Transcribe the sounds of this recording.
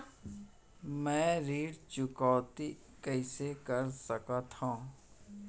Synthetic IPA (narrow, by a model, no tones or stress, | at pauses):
mɛ̃ːɾiːɽt͡ʃʊkaːt̪i | kəɪsekəɾsəkat̪ʰãː